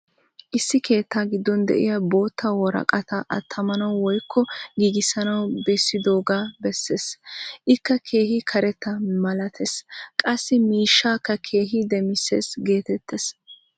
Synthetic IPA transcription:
ʔɪsːɪkʰe̞ːt̪ːaːɡɪd̪ːɔnd̪ɛ̰ʔɪ̰jabo̞ːt̪ʰːawɔɾɐ̰kʼɐt̪ɐʔɐt̪ʰːɐmɐnɐwwɔjkʰːɔɡiːɡɪsɐnɐwbesːɪd̪o̞ːɡaːbɛsːe̞ːsʔɪkːɐkʰeːhɪkʰɐɾɛt̪ːɐmɐlɐt̪ʰeskʼɐsːɪmiːʃːaːkːɐkʰe̞ːɦid̪ɛmɪse̞ːsɡe̞ːt̪ɛt̪ːes

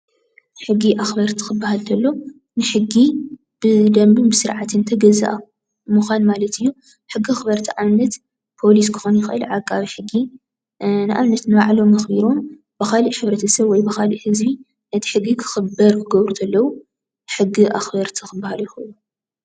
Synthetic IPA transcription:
ħɨɡːiʔaxbɐɾt̪ʰi̥xɨbːahalt̪ʰɐlːo | nɨħɨɡːi | b̥ɨd̪ɐmbɨmbɨsɨɾʕat̪ʰɨnt̪ʰɐɡɐza̰ʔa | muxʷanmalɐt̪ʰɨjːu | ħɨɡːiaxbɐɾt̪ʰiʕamnɐt̪ | pʰo̞lis̬kʰɨ̥xonjɪxɨʔɨlʕakʼːaβiħɨɡːi | nɨʔa̰mnɐt̪nɨβaʕlo̞mːɐxbiɾo̞m | b̥ɨxaliʔħɨβɾɐt̪ʰɐsɐβwɔjbɨxalḭʔhɨzbi | nɐt̪ʰi̥ħɨɡːikʰɨ̥xɨbɐɾkʰɨɡɐβɾut̪ʰɐlːɐwu | ħɨɡːiʔaxbɐɾt̪ʰixɨbːahaljɪxɨʔɨlu

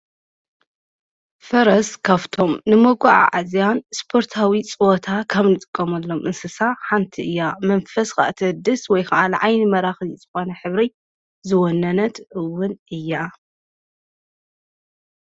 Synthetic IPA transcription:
fɐɾɐskʰaβt̪ʰo̞mnɨmoɡʷuʕa̰ʕazjanspʰo̞ɾt̪ʰawit͡sʼɨwot̪ʰakʰɐβnɨt̪ʼɨkʼːɐmɐlːo̞mʔɨnsɨsaħant̪ʰiɨjːamɐnfɐska̰ʔt̪ʰɐɨd̪ɨswɔjkʰɐʔalʕajnɨmɐɾaxɨzɨxonɐħɨβɾi | zɨwonːɐnɐt̪ʔɨwʊnʔɨjːa

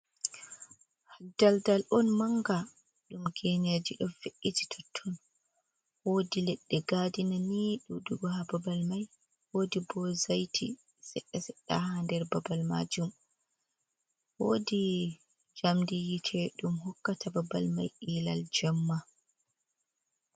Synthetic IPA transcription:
hdaldalʔɔnmaŋɡa | ɗumɡɛned͡ʒiɗɔfeʔːid͡ʒi̥tʰɔtʰːɔn | wodilɛɗːɛɡadinaniɗuɗuɡɔhababalmaj | woːdibɔzajtʰi | sɛɗːɛsɛɗːa̰handɛɾbabalma̰d͡ʒum | woːdi | d͡ʒamdijitʰɛɗumhɔkːatababa̰lma̰jʔiːla̰ld͡ʒɛmːa

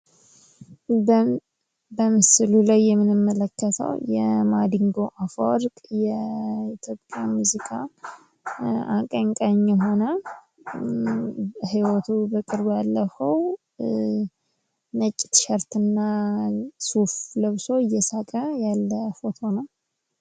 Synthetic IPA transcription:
bəmɨsɨlulajːɛmːɨnɨmːələkːət̪ʰə̰wjɛmad̪iŋɡo̞ʔafo̰ɾkʼjɛiɪt̪ʰjo̞pʼjamuzikʼʰa | akʼəŋkʼəɲːɛɦo̞nə | hiwɔt̪ʰubəkʼɨɾbjalːəfəw | nət͡ʃʼːɪ̥t̪ʃɛɾt̪ɨnːa | sufləβso̞ɨjːɛsakʼəjalːəfo̞t̪ʰo̞nəw

